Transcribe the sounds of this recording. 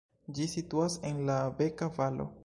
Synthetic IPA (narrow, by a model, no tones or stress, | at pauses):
d͡ʒisituase̞nlave̞kavalo̞̰